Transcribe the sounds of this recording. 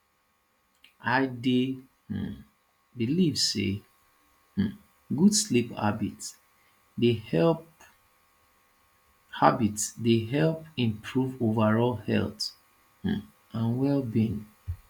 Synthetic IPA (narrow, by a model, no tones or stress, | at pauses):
aɪde | h̩ | bilivsḛ | h̩ | ɡudslipa̰bit | dehɛl | habitdeɦɛlpĩmpʰɹuvovaɹɔlhɛ̰lˠt | h̩ | ãnwɛlbĩn